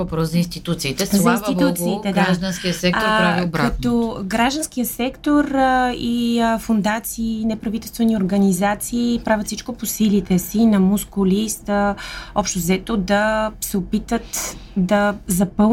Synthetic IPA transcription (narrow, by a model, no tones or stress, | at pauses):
vɐpɾɔszɐinst̪it̪ut̪siːt̪ɛszɐinst̪it̪utt̪siːt̪ɛdɡ̪aaʒd̪ɐnskkiəsɛk̚t̪oɾppɾavilˠbkaɐt̪ɔɡɾaʒd̪ɐnskijəsɛkt̪oɾifʊnd̪at̪siːnɛpɾɐvit̪ɛlˠst̪vɛnioɾɡɐnizat̪siːpɾavʲət̪sit͡ʃkoposilit̪ɛsinɐmuskʊlist̪əɔpʃt̪ozɛt̪od̪ɐsɛopit̪vət̪d̪ɐzɐpɤ